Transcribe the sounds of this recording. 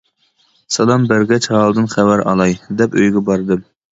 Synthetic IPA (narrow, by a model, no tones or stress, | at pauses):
sɛlˠɑmbəɾɡʲɛt͡ʃhɑlˠd̪ɨnχɛwæɾɑ̰lˠɑjd̪ɛpøjɡʲɛbɑɾd̪ɨm